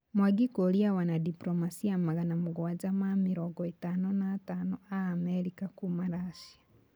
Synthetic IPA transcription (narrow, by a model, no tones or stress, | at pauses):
mwaɡikoliawanadipɾomasiamaɣanamuɣwwazamamiɾoɡɔitanonaːtanoaːmeɾikakumaɾasia